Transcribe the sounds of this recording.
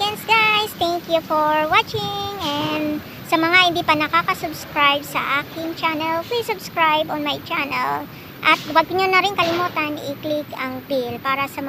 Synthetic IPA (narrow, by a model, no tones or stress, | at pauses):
ɡɛnsɡajst̪ɛŋkjufoɹwat͡ʃɪŋɛnd̪ | sɐmɐŋahɪnd̪iːpɐnɐkaːkɐsʊbskɹajb̚sɐ̰ʔaːkɪŋt͡ʃanɛlplisːʊbskɹajbɔnmɐjt͡ʃanɛ̰l | ʔɐt̪̚waɡ̚ɲonɐɾɪŋkɐlɪmuːt̪ɐnɪklɪkɐŋpilpaːɾɐsɐm